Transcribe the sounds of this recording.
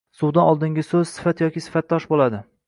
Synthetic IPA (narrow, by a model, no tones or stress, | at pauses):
suwd̪anɒlˠd̪ɪŋɡʲɪsɵzsɪ̥fat̪jɒkʲisɪ̥fat̪ːɒʃbolˠad̪ɪ